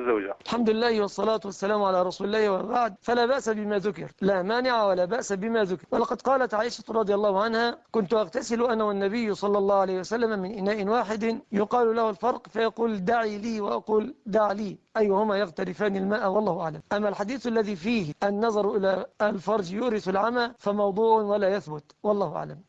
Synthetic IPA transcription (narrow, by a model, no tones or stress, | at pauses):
zːawd͡ʒa̰ʔalħamd̪ʊlɪlːaːhwɑsˤːɑlaːt̪ʊwasːalaːmʕalaːɾˤɑsuːlɪlːaːhwabaʕd̪̚falaːβaʔsabɪmaːðʊkɪ̰ɾlaːmaːnɪʕawalaːbaʔsabɪmaːðʊkɪɾwalɑqɑd̪qɑːlat̪ʕaːʔɪʃḁt̪ɾˤɑd̪ˤɪjɑlˤːɑːhʊʕanhakʊnt̪ʊʔɑɣt̪asɪlʔanaːwanːaβɪjːʊsˤɑlːɑlˤːɑːhʊʕalajhɪwasalːammɪnʔɪnaːʔɪnwaːħɪd̪jʊqɑːlʊlahalfɑɾˤqfajɑquːld̪aʕiːliːwaʔɑquːld̪aʕliːʔajːʊhʊmaːjɑɣt̪aɾɪfaːnɪlmaːʔawɑlˤːɑːhʊʔa̰ʕlamʔamːalħad̪iːθʔalːaðiːfiːhʔanːɑðˤɑɾˤʔɪlaːlfɑɾˤd͡ʒjʊʔɾɪθalʕamalfamɑwd̪ˤuːʕwalaːjaθbʊt̪wɑlˤːɑːhʊʔa̰ʕla̰m